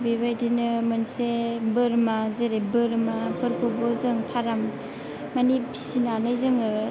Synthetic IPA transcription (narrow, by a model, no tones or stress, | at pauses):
bibajdinɯmɯnsebɯɾmazeɾebɯɾmapʰɯɾkʰubɔzɯŋpʰaɾamː | anipʰi̥sinanɯjzɯŋɯ